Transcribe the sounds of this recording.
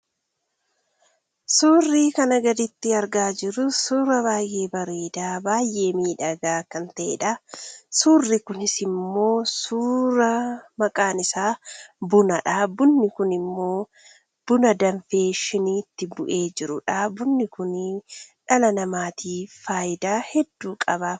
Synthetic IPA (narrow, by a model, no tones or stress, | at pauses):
suːrːiːkɐnɐɡɐd̪ɪt̪ːɪɐɾɡaːd͡ʒɪɾʊsuːɾɐbaːjʔe̞ːbɐɾeːd̪aːbaːjʔe̞ːmiːᶑɐɡaːkːɐnt̪ɐʔɛ̰ᶑɐsuːrːikʊnɪsɪmːo̞ːsuːɾɐmɐkʼaːnɪsaːbʊnɐᶑabʊnːɪkʊnɪmːo̞ː | b̥ʊnɐd̪ɐɱfeːʃɪniːt̪ːɪbʊʔe̞ːd͡ʒɪɾʊᶑabʊnːɪkʊnᶑɐlɐnɐmaːt̪ʰiːfaːjɪd̪aːhɛd̪ːuːkʼɐbɐ